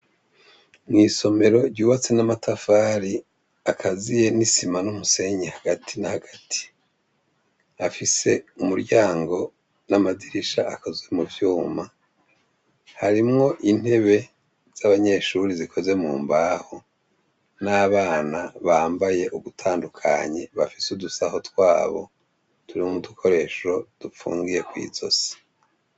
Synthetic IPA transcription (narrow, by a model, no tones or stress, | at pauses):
mŋiːso̞me̞ɾo̞ɾɟuːβat͡se̞namatʰafaːɾi | akʰazije̞nisimanumuse̞ɲehaɡ̥atʰinahaɡatʰi̥ | afise̞umuɾɟaːŋɡo̞ | namadiɾiʃaʔakoze̞muvjuːma | haɾimŋo̞ʔin̥he̞βe̞ | z̥aβaɲe̞ʃuɾizikʰo̞ze̞mṵːmbaːho | naβaːnaβaːmbaje̞ʔuβutʰaːndukʰa̰ɲeβafi̥sudusaho̞twaːβo̞̰ | tuɾiumutukʰo̞ɾe̞ʃo̞d̥ufṵːŋɡije̞kwḭːzo̞̰se̥